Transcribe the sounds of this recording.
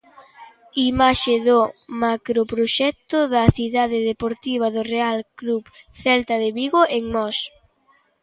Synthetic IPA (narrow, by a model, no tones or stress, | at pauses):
imaʃɪðomakɾopɾoʃɛk̚t̪ʊðɐθiðaðɪðepoɾt̪iβ̞ɐðʊrealkluβθɛlt̪aðɪβiɣoʔeŋmɔs